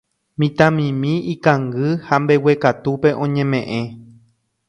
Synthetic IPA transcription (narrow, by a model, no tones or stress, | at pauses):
mĩt̪ãmĩmĩikãŋɡɨhambe̞wekat̪upe̞ʔõ̞ɲẽmẽʔẽ